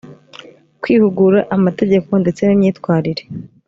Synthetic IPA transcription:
kwiːhuɡuɾaʔamate̞ɟe̞ko̞nde̞t͡se̞nimɲiːtkwaːɾiɾe̞̥

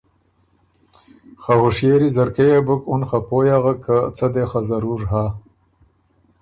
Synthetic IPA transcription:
xahʊʂjeːɾizaɾkejabukunxapojaɣakʰat͡sad̪exazaɾuɾɦa

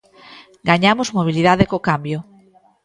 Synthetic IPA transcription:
ɡaɲamozmoβ̞iliðaðekokambjo

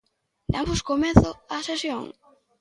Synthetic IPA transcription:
d̪ambʊskomeθʊasesjo̰ŋ

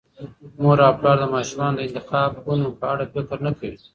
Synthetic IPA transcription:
moɾɑpɽɑːɾd̪əmɑʃumɑːnod̪əɪnt̪ɪxɑːb̚ɡunopəaɽafɪkɾnakawi

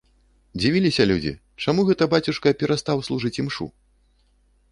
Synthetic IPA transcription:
d͡zʲivʲilʲisʲɐlʲud͡zʲḭ | t͡ʂamuɣɛt̪ɐbat͡sʲuʂkɐpʲɛɾast̪awslˠuʐɨt͡sʲimʂṵ

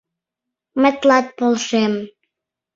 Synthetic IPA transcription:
mə̆t̪lɑt̪̚polʃem

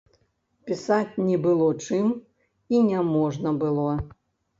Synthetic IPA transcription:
pʲisat͡sʲnʲɛbɨlˠɔt͡ʂɨm | inʲɛmɔʐnɐbɨlˠɔ

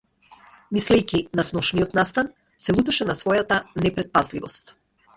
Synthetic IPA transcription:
mislɛjkʲinasnɔʃniɔt̪nast̪an | sɛlˠut̪ɛʃɛnasvɔjat̪anɛpɾɛt̪̚pazlivɔst̪

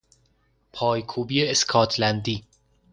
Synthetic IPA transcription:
pʰɒːjkʰuːbiːeeskʰɒːt̪ʰlænd̪iː

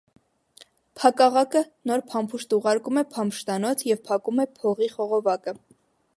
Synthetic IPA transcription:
pʰɑkɑʁɑkənɔɾpʰɑmpʰuʃt̪uʁɑɾkumɛpʰɑmʃt̪ɑnɔt͡sʰjɛvpʰɑkumɛpʰɔʁiχɔʁɔvɑkə

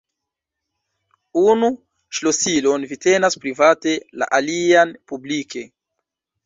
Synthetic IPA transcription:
unu | ʃlo̞silo̞nvite̞naspɾivate̞la̰ʔalianpublike̞

